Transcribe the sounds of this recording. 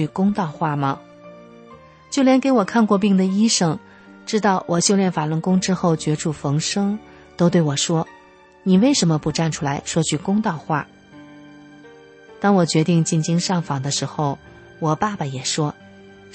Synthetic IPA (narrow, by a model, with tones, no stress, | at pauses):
y˥˧kʊ˥ŋt̪ɑ˥˧ʊxwa˥˩mə˩ | t͡ɕjo˥˩ʊljɛ˧˥nke˧˥ɪwɔ˨˩kʰa˥˧nkwɔ˥˧p̬i˥˩ŋd̪ə˩i˥ʂɤ˥˩ŋ | ʈ͡ʂɻ̩˥t̪ɑ˥˩ʊwʔɔ˨˩ɕjo˥˧ʊljɛ˥˩nfa˨˩lə˧˥ŋkʊ˥ŋʈ͡ʂɻ̩˥xo˥˩ʊt͡ɕɥɛ˧˥ʈ͡ʂu˥˩fɤ˧˥ŋʂɤ˥ŋ | t̪o˥ʊt̪we˥˩ɪwɔ˨˩ʂwɔ˥ | ni˨˩we˥˩ɪʂə˧˥nmə˧pu˧ʈ͡ʂa˥˩nʈ͡ʂʰu˥la˧˥ɪʂwɔ˥t͡ɕʰy˥˩kʊ˥ŋt̪ɑ˥˧ʊxwa̰˥˩ | t̪ɑ˥ŋwɔ˨˩t͡ɕɥɛ˧˥t̪i˥˧ŋt͡ɕi˥˩nt͡ɕi˥ŋʂɑ˥˩ŋfɑ˨˩ŋd̪ə˦ʂɻ̩˧˥xo˥˧ʊ | wɔ˨˩pa˥˩bə˩jɛ˨˩ʂwɔ˥